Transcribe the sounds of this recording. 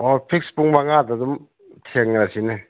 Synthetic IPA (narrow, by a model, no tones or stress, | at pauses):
opʰik̚spuŋmaŋadadum | tʰeŋɾasinɯ